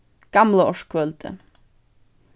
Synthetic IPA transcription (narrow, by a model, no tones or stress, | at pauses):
ɡ̥ɑmləɔʂkʰʋœːlt̪ʰə̰